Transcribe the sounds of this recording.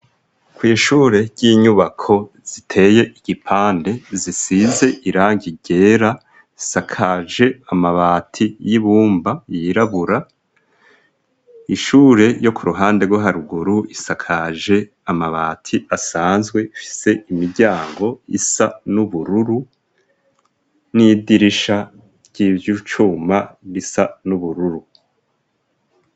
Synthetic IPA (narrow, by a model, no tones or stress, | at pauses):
kwiːʃuːɾe̞ɾɟiɲuβakʰo̞ | z̥itʰe̞ːje̞ʔiɡ̥ipʰaːnde̞zisize̞ʔiɾaːŋɡiɟe̞ːɾa | zisakʰaʒe̞amaβaːtʰijiβuːmbajiɾaβuɾa | iʃuːɾe̞jo̞kuɾuɦaːnde̞ɡwaɦaɾuɡuɾuisakʰaʒe̞ | amaβaːtʰiasaːnzɡwe̞ifi̥se̞imiɾɟaːŋɡo̞ḭsanuβuɾuɾu | nidiɾiʃa | ɾɟ̥ivjut͡ʃumaβisanuβuɾuɾu